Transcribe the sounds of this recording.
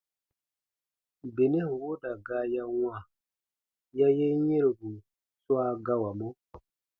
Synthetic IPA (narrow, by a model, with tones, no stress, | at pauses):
be˨ne˦hwo˦da˨ɡaː˦ja˦wã˦˨ | ja˦je˦ɲẽ˦ɾe˨ɡu˨ | swa˦ɡa˦wa˨mɔ̃˦